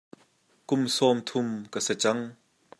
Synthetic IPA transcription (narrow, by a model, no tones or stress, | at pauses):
kʊmsɔːmt̪ʰʊmkəsɛt͡sɐŋ